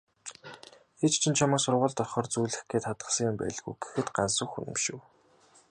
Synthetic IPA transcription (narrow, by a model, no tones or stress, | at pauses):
xet͡ɕt͡ɕʰĭnt͡ɕʰamə̆ːsʊrʁʊːɮt̪ɔχɔːrt͡sujɮɘ̆xɡeːt̪χat̪ɢə̆sə̆ŋjʊmpæ̰ːɮɣujɡ̥e̥xɘ̆t̪ɢa̰nsʊ̆xṵnɘ̆mʃɘ̆w